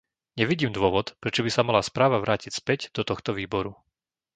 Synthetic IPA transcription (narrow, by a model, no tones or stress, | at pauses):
ɲɛʋiɟiːmd̪ʊɔʋɔt̪pɾɛt͡ʃɔbisamalaspɾaːʋaʋɾaːcicspɛɟd̪ɔt̪ɔxt̪ɔʋiːbɔɾu